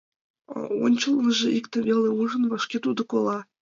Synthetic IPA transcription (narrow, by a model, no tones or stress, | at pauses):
o̰nʲt͡ɕɤlˠmɤ̆ʒĕʔikt̪ə̆vʲelʲeuʐə̆nvɤ̆ʃkʲet̪ud̪ɤ̆kolˠɑ